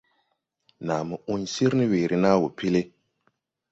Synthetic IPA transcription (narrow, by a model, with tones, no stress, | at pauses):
naː˨mɨ˨u˦nsi˦ɾnɨ˦weː˨ɾi˨naː˦wo˨pi˦le˦